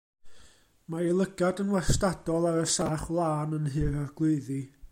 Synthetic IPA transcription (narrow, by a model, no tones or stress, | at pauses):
mailˠəɡadənwastadɔlˠaɾəsaːχwlˠaːnənɦɨɾarɡ̥lˠʊɨði